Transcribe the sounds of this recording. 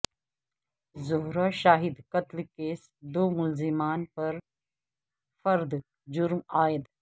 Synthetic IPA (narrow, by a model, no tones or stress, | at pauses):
zʊɦɾaːʃaːɦɪd̪kɐt̪lkeːs | d̪oːmʊlzɪmaːnpɐɾ | fɐɾd̪ | d͡ʒʊɾmaːjɪd̪